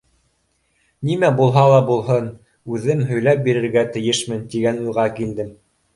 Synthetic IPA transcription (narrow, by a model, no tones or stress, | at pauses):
nimæbulˠɦɑlˠɑbulˠɦɤn | ʉðɘmɦɵ̆jlæp̚biɾɘ̆ɾɡæt̪ɘ̆jɘʃmɘnt̪iɡænujʁɑkild̪ɘm